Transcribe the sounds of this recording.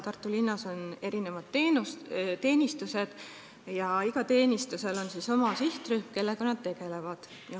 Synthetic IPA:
t̪ɑrt̪ːˑulinːɑso̞ne̞ɾine̞vɑd̪̥t̪eːnust̪e̞ːnʲist̪use̞d̪̥ | jɑiɡ̥ɑt̪e̞ːnʲist̪use̞lo̞nsiso̞mɑsiht̪ryhmke̞lːe̞konɑd̪̥̚t̪e̞ɡ̥e̞le̞vɑd̪̥ | jɑ

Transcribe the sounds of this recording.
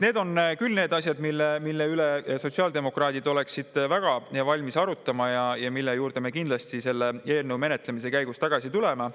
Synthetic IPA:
ne̞ːd̪̥o̞nkylne̞ːd̪ɑsʲjɑd̪milːemilːeyleso̞t̪siɑld̪e̞mo̞krɑːd̪̥id̪o̞le̞ksid̪̥væɡ̥ɑjɑvɑlʲmisɑɾut̪ːˑɑmɑjɑjɑmilːejuːɾd̪e̞me̞kind̪lɑst̪ise̞lːe̞e̞ːlnəwme̞net̪le̞mise̞kæjɡ̥ust̪ɑɡ̥ɑsit̪ule̞mɑ

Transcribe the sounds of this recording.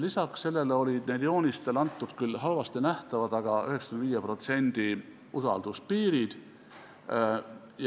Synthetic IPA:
lisɑksːe̞lːe̞leo̞lʲid̪̥ned̪jo̞ːnʲist̪e̞lɑnt̪ːˑud̪̥kylɦɑlvɑst̪inæht̪ɑvɑd̪ɑɡ̥ɑyheksɑ̥kymnd̪viːjepro̞t̪se̞nʲd̪̥i | usɑ̰ld̪uspiːɾid̪̥ | j

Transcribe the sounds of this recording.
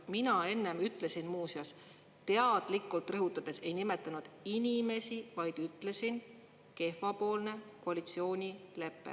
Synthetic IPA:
minɑe̞nːe̞myt̪ːˑle̞sinmuːsjɑs | t̪e̞ɑd̪̥likːˑult̪ˑrɤɦut̪ːˑɑd̪̥e̞se̞jnime̞t̪ːˑɑnud̪̥inʲime̞sivɑjd̪̥yt̪ːˑle̞sin | ke̞fɑpo̞ːlne̞koɑlʲit̪sio̞ːnʲile̞pːḛ

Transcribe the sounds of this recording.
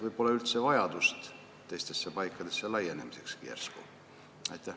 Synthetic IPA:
vɤjb̥o̞lːɑylt̪se̞vɑjɑd̪̥ust̪ | t̪ːe̞jst̪e̞sːepɑjkːˑɑd̪̥e̞sːelɑje̞ne̞mise̞kskḭḛrskṵ | ɑ̰jt̪ːˑæh

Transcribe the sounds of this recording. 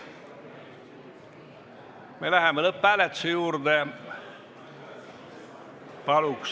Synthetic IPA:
melæhemːoleppælet̪sejuːrd̪eːˑ | pɑluks

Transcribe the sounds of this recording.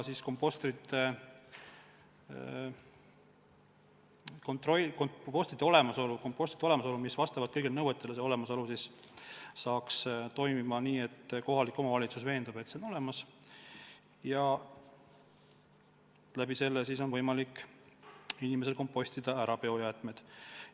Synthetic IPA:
sisko̞mpːˑo̞st̪ɾit̪ːe | kont̪rokoo̞st̪ɾit̪ːeo̞le̞mɑso̞luko̞mpːˑo̞sʲt̪ɾit̪eo̞le̞mɑso̞lumisvɑst̪ɑvɑd̪̥̚kɤjɡilnɤwet̪ːˑeleseo̞le̞mɑsolusis | sɑːkst̪o̞jmimɑniːe̞t̪ːko̞ɦɑlikːˑo̞mɑvɑlʲit̪susve̞ːnd̪ɑbe̞t̪se̞ono̞le̞mɑs | jɑ | læbise̞lːesis̬o̞nvɤjmɑlikː | inime̞s̬e̞lko̞mpːo̞sʲt̪id̪̥ɑæɾɑpeo̞jæːt̪ˑme̞d̪̥

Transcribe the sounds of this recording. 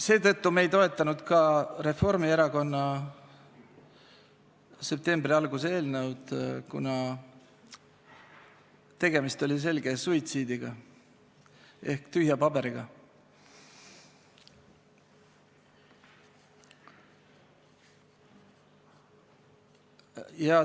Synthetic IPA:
se̞ːt̪ɤ̞t̪ːume̞jt̪o̞e̞t̪ˑːɑnud̪̥kɑre̞fo̞rmieɾɑko̞nːɑ | se̞p̚t̪e̞mbriɑlɡ̥usee̞ːlnəwd̪̥kṵnɑ | t̪e̞ɡ̥e̞mist̪o̞lʲis̬e̞lɡe̞suit̪siːd̪iɡ̥ɑ | e̞hkt̪yhjɑpɑb̥e̞ɾiɡ̥ɑ | jɑ

